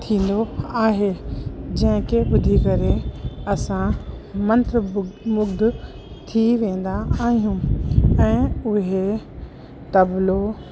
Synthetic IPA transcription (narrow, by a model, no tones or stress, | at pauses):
t̪ʰĩːn̆d̪oaːɦed͡ʑɐ̃ɦɪ̃keɓʊd̪ʱikɐɾeɐsã | mɐ̃nt̪ɾmʊɡd̪ | t̪ʰiʋẽːn̆d̪aaːɦijũːɛ̃ːʊɦe | t̪ɐblo